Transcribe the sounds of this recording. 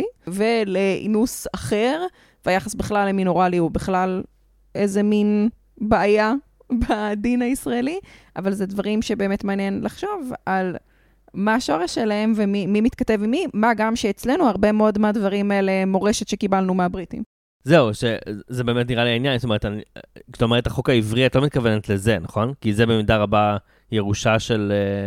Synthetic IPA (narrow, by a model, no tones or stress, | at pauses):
iveleʔḭnusaχeʁ | vajaχasbiχlaleminoʁaliubiχlal | e̞ze̞min | baːja | bad̪inaisʁaeliʔavalzedvaʁimʃebe̞ːme̞tmaːnjenlaχʃo̞val | maːʃo̞ʁeʃelae̞mvemimimit̪katevimimaɡamʃeːt͡sle̞nuaʁbe̞meo̞dmadvaʁimaelemo̞ʁeʃet̪ʃekibalnumeabʁitḭm | zeuʃezebe̞ːmet̬niʁaliainjanstome̞etanit̪omeʁ̞etaχokaivʁiatlo̞mit̪̚kavenet̪lezenaχo̞nkizebe̞midaʁaba | jeʁuʃaʃe̞le